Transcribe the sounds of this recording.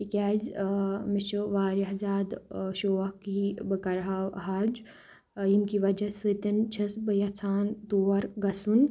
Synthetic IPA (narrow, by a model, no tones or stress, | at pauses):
ikʲaːzmit͡ʃəʋaːɾɐɦzaːd̪ʃoːʋɐhkibɐkɐɾɦaɦaːd͡ʒ | jimkiʋɐd͡ʒɐsɨt̪ɐnt͡ʃʰɐsbɐjɐt͡sʰaːnt̪oːʋɐɾɡɐsun